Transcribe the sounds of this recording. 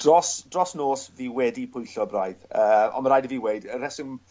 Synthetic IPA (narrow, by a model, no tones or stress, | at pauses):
d̥rɔsd̥rɔsnoːsviːwɛdipʰʊjɬɔbrajðəːɔ̰nməɾajdəviːwejdəɾɛsɪŋ